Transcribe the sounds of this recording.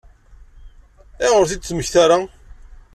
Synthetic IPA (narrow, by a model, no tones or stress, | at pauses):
ɪʁʊɾθid̪t͡sːməçθaɾa